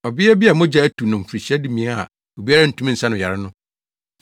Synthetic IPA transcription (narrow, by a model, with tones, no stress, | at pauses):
ɔ˨bɪ˦ɛ˦bi˦a˨mʊ̃˦d͡ʑa˦æ˦tʰu˨nʊ̃˨m̩˨fɾi˨ɕɛ˦dɪ˦mĩ˨ɛ˦a̰˨ | o˨bi˦a˦ɾa˦n̩˨tʰũ˨˦mĩ˦n̩˨sa˦nʊ̃˨a˨ɾɪ˦nʊ̃˦